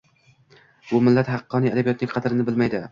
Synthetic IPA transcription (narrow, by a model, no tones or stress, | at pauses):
bʊmɪlːat̪hɑqːɒnijad̪abijɒt̪nɪŋʲqʰɑd̪ɾɪnɪbɪlmajd̪ɪ